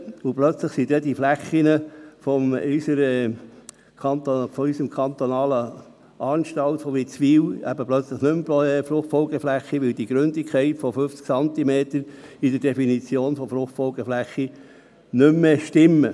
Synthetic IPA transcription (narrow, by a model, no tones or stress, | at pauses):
ʊplœt͡sləχsid̪ɛd̥̪iflæχːinəfɔmysəɾɛ | kʰɑnt̪ofɔysəmkʰɑnt̪ɔnɑːlə | ɑːnʃtɑlt̪fɔʋit͡sʋiːwæ̰bəplœt͡sləχnʏmpɛfɾʊχtfɔlɡəflæχːiʋɪld̪iɡ̥ɾʏnd̪ikʰχɛɪtfɔføft͡sksɑnt̪imeːt̪əɾid̥̪əɾd̥ɛfinit͡sjoːnfɔfɾʊχtfɔlɡəflæχːi | nʏmːeʃtɪmːə